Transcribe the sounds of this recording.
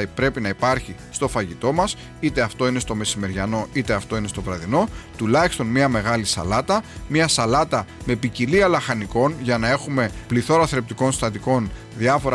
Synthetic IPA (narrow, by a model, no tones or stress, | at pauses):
pɾe̞pinɐipɐɾçist̪o̞fɐʝit̪o̞mɐs | it̪e̞ɐft̪o̞inest̪o̞me̞sime̞ɾʝɐno̞it̪e̞ɐft̪o̞ine̞st̪o̞vɾɐðino̞t̪ulɐçist̪o̞nmiɐme̞ɣɐlisɐ̰lɐt̪ɐmɐsɐlɐt̪ɐme̞piciliɐlɐxɐniko̞nʝɐnɐe̞xume̞pliθo̞ɾɐθɾe̞p̚t̪iko̞nst̪ɐt̪iko̞n | ðiɐfo̞ɾ